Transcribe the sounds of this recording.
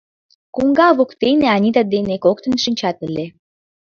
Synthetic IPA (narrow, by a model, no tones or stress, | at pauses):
kuŋɡɑvokt̪ejneanʲit̪ad̪ejnekokt̪ə̆nʃə̆nʲt͡ɕɑt̪əle